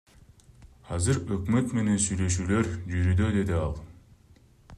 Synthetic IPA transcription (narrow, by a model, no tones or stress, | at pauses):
ɑzɯɾøkmø̞t̪me̞ne̞nsyjlø̞ʃ̬yːlø̞ɾd͡ʒyɾyd̪ø̞d̪e̞d̪iɑlˠ